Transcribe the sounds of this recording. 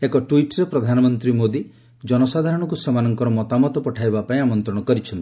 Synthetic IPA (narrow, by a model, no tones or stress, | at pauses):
ekɔʈwiʈɾepɾɔd̪ʱanɔmɔnt̪ɾimod̪i | d͡ʒɔnɔsad̪ʱaɾɔɽ̃ɔkusemanɔŋkɔɾɔmɔt̪amɔt̪ɔpɔʈʰajbapaĩamɔnt̪ɾɔɽɔkɔɾit͡ʃʰɔnt̪i̥